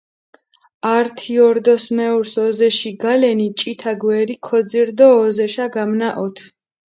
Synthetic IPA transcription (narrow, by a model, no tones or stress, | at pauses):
aɾt̪ʰiɔɾd̪ɔsmɛuɾsɔzɛʃiɡalɛnit͡ʃʼit̪ʰaɡwɛɾikʰɔd̪ziɾd̪ɔːzɛʃaɡamnaʔɔt̪ʰ